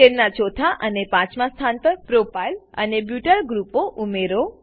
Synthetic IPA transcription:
eɾnat͡ʃot̪ʰaʔənepãt͡ʃmãst̪ʰant̪əɾpɾopajlə̰nebjuʈəɾɡɾupoʔumeɾo

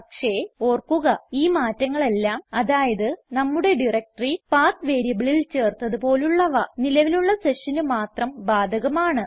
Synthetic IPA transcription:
ɐkʂe̞o̞ːrkːuɣɐiːmaːtːɐŋːɐɭe̞lːaːmɐðaːjɐðɨnɐmːuɽe̞ɖirek̚ʈɐripaːrt̪ʋe̞ːɾijɐʋiɭilt͡ɕe̞ːrt̪ːɐðupo̞ːluɭːɐʋɐnilɐʋiluɭːɐse̞ʂɐnumaːt̪rɐmbaːd̪ʱɐɣɐmaːɳɨ

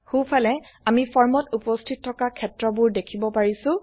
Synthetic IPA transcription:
xupʰalɛamipʰɔɹmɔtupɔstʰit̚tʰːɔkakʰɛtɹɔbʊɹdekʰibɔpaɹisʊ̃

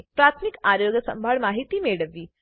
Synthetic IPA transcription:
pɾat̪ʰmikaɾjoɡəsə̰mbʱaɭmaɦit̪iːmeɭəʋːiː

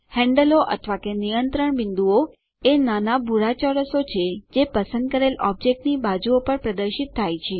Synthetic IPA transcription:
hɛ̃ɳɖəloʔə̰t̪ʰʋakenijənt̪ɾəɳbɪnd̪uo | enanabʱuɾat͡ʃɔɾəsot͡ʃʰed͡ʒepəsə̃nd̪̚kəɾelɔb̚d͡ʒek̚ʈnibad͡ʒuopəɾpɾəd̪əɾʃit̪ʰːajt͡ʃʰe

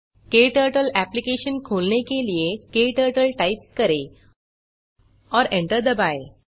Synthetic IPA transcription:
keʈəɾʈəlæplikeɕənkʰolɳekelijekeʈəɾʈəlʈaip̚kəɾe | ɔɾẽɳʈəɾd̪əbaj

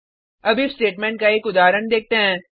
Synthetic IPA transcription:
ɐbɪfsʈeːʈmɛ̃ːɳʈkaeːkʊd̪aːɾəɳd̪eːk̚ʰt̪eɦɛ̃ː

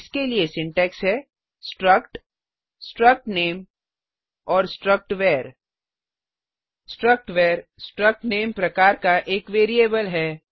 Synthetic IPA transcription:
skeliesɪ̃ɳʈɛːksɦɛ | sʈɾəkʈ | sʈɾək̚ʈneːm | ɔːɾsʈɾək̚ʈʋeːɾ | sʈɾək̚ʈʋeːɾsʈɾək̚ʈneːmpɾɐkaːɾkaʔeːkʋeːɾieːbəlɦɛː

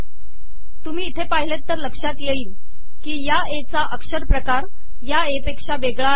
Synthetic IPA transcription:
t̪um̤iːt̪ʰepaɦilet̪ːəɾləkʂat̪jeiːl | kiːja | et͡saʔəkʂəɾpɾəkaɾ | jaepekʂaʋeɡɭa

